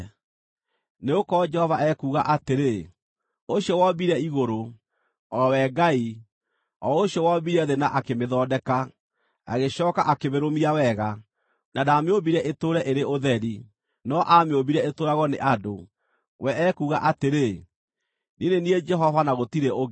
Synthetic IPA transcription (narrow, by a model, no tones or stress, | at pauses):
neokɔd͡ʒɛhɔvaʔɛkuːɣaʔateɾe | oɕjɔwɔbiɾɛiɣoɾo | ɔwɛɡai | ɔoɕjɔwɔbiɾɛðenaʔakemeðɔːdɛka | a̰ɣeɕɔːkaʔakeβeɾomiawɛɣa | nadameobiɾɛʔetoɾɛʔeɾeoðɛɾi | nɔʔameobiɾɛetoːɾaɣɔneʔado | wʔɛɛkuɣaʔateɾe | ninenied͡ʒɛɦɔvanaɣotiɾeoɣ